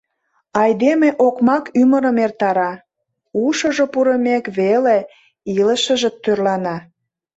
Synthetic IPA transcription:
ɑjd̪emeʔokmɑkyməɾəmert̪ɑɾɑ | uʃə̆ʒopuɾə̆mekβele | iləʃəʒĕt̪ːørlɑnɑ

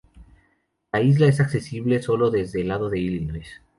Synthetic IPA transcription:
laizlae̞sakse̞siβle̞so̞lo̞ðe̞zðe̞laðo̞ðe̞ilines

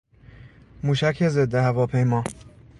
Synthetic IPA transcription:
muːʃækʰezed̪ːehævɒːpʰejmɒː

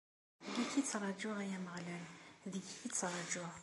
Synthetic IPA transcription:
ɡiçit͡sːɾˤɑd͡ʒʊʁæjæməʁlælðəɡit͡sːɾˤɑd͡ʒʊʁ

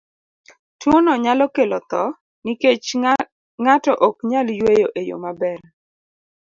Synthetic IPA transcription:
twonɔɲalɔkelɔt̪ɔ | niket͡ʃ | ŋatɔʔɔkɲaljwejoʔejo̰mabɛr

